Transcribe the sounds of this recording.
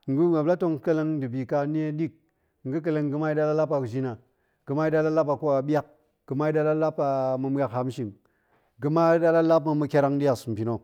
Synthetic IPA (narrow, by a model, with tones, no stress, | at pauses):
ŋ̩˨ɡu˦a˨bla˦to˦ŋ˦kɐ˦le˧ŋdɨ˨bi˨ka˧ne˦ɗi˦k̚ | ŋ̩˨ɡu˦k̬ɐ˨le˧ŋɡɨ˧ma˦i˦da˦la˦la˦pːa˨d͡ʒi˦na˨ | ɡɨ˨ma˦i˦da˦la˦la˦pa˨ko˦a˨ɓja˦k̚ | ɡ̥ɨ˨ma˦i˦da˦la˦la˦pa˨mu˧m˦a˦kha˦m˦ʃi˨ŋ | ɡɨ˨˧ma˦da˦la˦la˦p̬ma˨˧mu˧kʲa˦ɾa˦ŋdi˦ja˨sm̩˨pʲi˨no˨